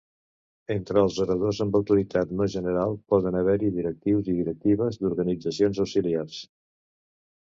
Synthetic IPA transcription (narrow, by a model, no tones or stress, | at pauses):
ent̪ɾəːlˠzuɾəðozəmbəwt̪uɾit̪at̪meʒənəɾalˠpɔðənəβɛɾiðiɾək̚t̪iwziðiɾək̚t̪iβ̞əzd̪uɾɣənid͡zəsionzəwsiliars